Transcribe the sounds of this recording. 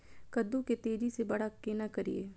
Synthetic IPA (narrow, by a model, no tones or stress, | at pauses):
kɐd̪ːũket̪eːd͡ʒisebɐɽakeːnakɐɾiḛː